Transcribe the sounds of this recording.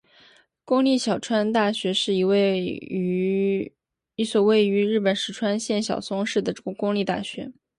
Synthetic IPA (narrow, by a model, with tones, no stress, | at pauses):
kʊ˥ŋli˥˩ɕjɑ˨˩ʊʈ͡ʂʰwa˥nt̪a˥˩ɕɥɛ˧˥ʂɻ̩˥˩i˧˥w | i˧˥swɔ˨˩we˥˩ɪy˧˥ɻɻ̩˥˩pə˨˩nʂɻ̩˧˥˩ʈ͡ʂʰwa˥nɕjɛ˥˩nɕjɑ̰˨˩ʊsʊ˥ŋʂɻ̩˥˩d̪ə˩ʈ͡ʂkʊ˥ŋli˥˧t̪a̰˥˩ɕɥɛ̰˧˥